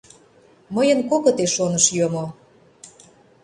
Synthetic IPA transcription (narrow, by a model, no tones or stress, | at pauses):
məjənkokŏt̪eʃonə̆ʃjomo